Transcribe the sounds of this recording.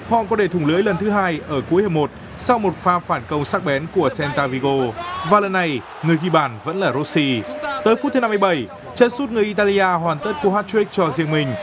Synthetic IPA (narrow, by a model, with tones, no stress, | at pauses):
hɔ̰˧˨kɔ˨˦ɗe˧˩t̪ʰʊ˧˩ŋ͡mlɨ˨˦jlə˨˩nt̪ʰɨ˨˦ɦaː˧jʔəː˧˩ku˨˦əjhaː˧˩mo˨˩t̚ | sa˧wmo˨˩t̚faː˧faː˧˩nkə˧wŋ͡msaː˦˥k̚ɓɛ˨˦nku˧˩əsɛ˧nt̪aː˧vi˧ɣo˧vaː˨˩lə˨˩nːa˨˩j | ŋɨ˨˩əjxi˧˩ɓaː˧˩nvə̰˧˥nlaː˨˩zo˦˥si˧t̪əː˨˦jfu˦˥t̪̚ʰːna˧mː˧jɓə˧˩j | t͡ɕə˧˥nsu˦˥t̚ŋɨ˨˩əjʔi˧t̪aː˧li˧ʔaː˧ɦwaː˨˩nt̪ə˦˥t̚ku˧˩haː˦˥t̚t͡ɕi˦˥k̚t͡ɕɔ˧zi˧əŋmï˧ŋ̟